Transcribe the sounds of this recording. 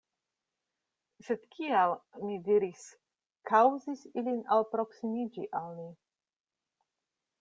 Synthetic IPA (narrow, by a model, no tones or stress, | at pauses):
se̞d̪̥kʰialmidiɾis | kʰawzisilinalpɾo̞ksimid͡ʒiʔalmi